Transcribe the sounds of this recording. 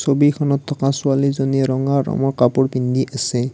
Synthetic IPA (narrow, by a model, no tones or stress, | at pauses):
sobikʰɔnɔtʰːɔkasualizoniɛɹɔŋaːɔ̰mɔɹkapʊɹpind̪iʔasɛ